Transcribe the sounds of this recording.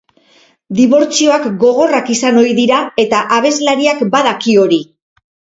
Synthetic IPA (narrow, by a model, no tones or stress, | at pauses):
d̪iβo̞ɾt͡sio̞akɡo̞ɣ̞o̞rakisano̞iðiɾae̞t̪aʔaβ̞e̞zlaɾiakbaðakio̞ɾi